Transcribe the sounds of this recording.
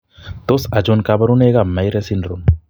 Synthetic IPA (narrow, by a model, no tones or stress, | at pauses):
t̪osɐd͡ʒonkabɐɾuneɡamajɾesinɾun